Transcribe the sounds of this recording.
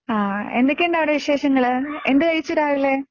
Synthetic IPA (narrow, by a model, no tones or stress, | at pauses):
aːe̞̰nd̪ɐkʲːeɳɖaːʋiɽeʋiɕe̞ːʂɐŋːɐɭe̞nd̪ekɐjit͡ɕːuɾaːɣɐlːe